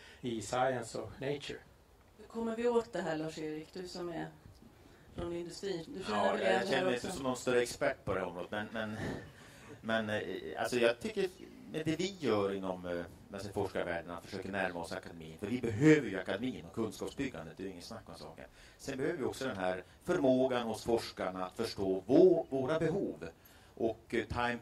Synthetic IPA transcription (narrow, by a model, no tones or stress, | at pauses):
ɪsaɪənsɔ̰neɪt͡ʃə̰ɾ | hʉkʰɔmːəɾvɪoːt̪d̪ɛɦæːɭɑːʂeːɾɪkːd̪ɵsɔmɛ | fɾɔnɪnd̪ɵst̪ɾiːd̪ɵʃɛnəɛnɛsɔmsɔmnɔnst̪uɾːəɛkspæʈːpʰɔd̪ɛhæɾɔmɾod̪ət̪mɛnmɛn | mɛna̰lsɔjɑːɡt̪ʰʏkːəɾ | mɛnd̪ɛvɪjœːɾɪnːɔm | alsɔfɔʂkaɾvæ̰ːɖənat̪fœʂøːkəɳæɾmaɔsa̰kad̪ɛmḭːənfœɾvɪbɛɦøːvəɾjɵakad̪ɛmiːənɔkʰɵnskɑːpsbʏɡːa̰nd̪ət̪d̪ɛɪŋːənsnakːɔmsɑ̰ːkə̰ɳ | sɛnbɛhøːəɾvɪɔksɔd̪ɛnɦæɾ | fœɾmoːɡanhʊsfɔʂkaɳaat̪fœʂʈoːvvoːɾabɛɦuːv | ʔɔkt̪ʰaɪm